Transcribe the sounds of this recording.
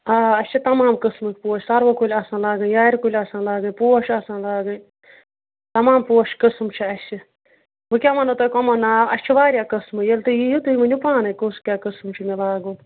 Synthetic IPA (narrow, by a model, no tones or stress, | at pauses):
aːɐst͡ʃʰit̪ɐmaːmkɨsmɨkʰʲpuːʃsɐɾʋɐkulʲɐsãːlaːɡɨjaːɾikulʲɐsãːlaːɡɨpuːɐʃʰɐsãːlaːɡɨ | t̪ɐmaːmpuːɐʃkɨsmt͡ʃʰiɐst͡ʃʰi | bɨkʲaːmɐnot̪okɔmɐnaːɐsʲt͡ʃʰiʋaːɾʲjaːkɨsmɨjɐlt̪ɨjijut̪uimɐnʲupaːnɨkoskʲaːkɨsmt͡ʃʰimelaːɡũː